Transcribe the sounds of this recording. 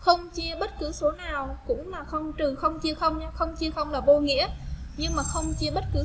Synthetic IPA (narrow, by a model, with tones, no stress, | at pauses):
xə˧wŋ͡mt͡ɕi˧əɓə˦˥t̚kɨ˨˦so˨˦naː˨˩wkʊ̰˧˥ŋ͡mlaː˨˩xə˧wŋ͡mt̪ɨ˨˩xə˧wŋ͡mt͡ɕi˧əxə˧wŋ͡mɲaː˧xə˧wŋ͡mt͡ɕi˧əxə˧wŋ͡mlaː˨˩ɓo˧ŋḭ˧˥əɲɨ˧ŋmaː˨˩xə˧wŋ͡mt͡ɕi˧əɓə˦˥t̚kɨ˨˦